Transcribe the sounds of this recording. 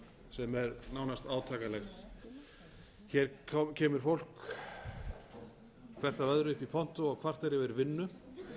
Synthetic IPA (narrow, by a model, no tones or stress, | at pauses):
sɛmɛɾnaːwnast̪aːwt̪ʰaːkalɛjxt̪ | çɛɾʰɔcʰɛːmʏɾ̥fowl̥k | kʰv̥ɛr̥t̪avœðɾʏʏhpipʰɔn̥t̪ʊɔɣkʰvar̥t̪ɛɾjɪvɛːɾʏvɪnːʏ